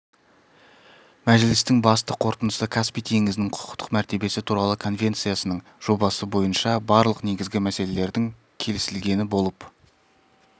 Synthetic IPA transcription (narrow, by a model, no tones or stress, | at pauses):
mæʒɪlɪst̪ɪŋbɑst̪əqʰo̞ɾt̪ənəsəkʰaspijt̪ʰe̞ŋɪzɪnɪŋqʰʊ̥qə̥t̪ə̥qmæɾt̪e̞be̞sɪt̪ʰuɾɑlˠəkʰo̞nvʲe̞nt̪sijasənəɴ | ʒ̥o̞bɑsəbo̞jənʃɑbɑɾlˠəqne̞ɡʲɪzɡʲɪmæse̞le̞le̞ɾd̪ɪŋ | kʲʰe̞lɪsɪlɡʲe̞nɪbo̞lˠəp